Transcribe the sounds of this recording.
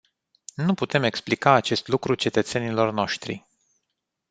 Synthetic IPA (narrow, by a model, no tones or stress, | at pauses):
nuput̪e̞me̞ksplikaːt͡ʃe̞st̪lukɾut͡ʃe̞t̪ət̪se̞nilo̞rno̞ʃt̪ɾḭ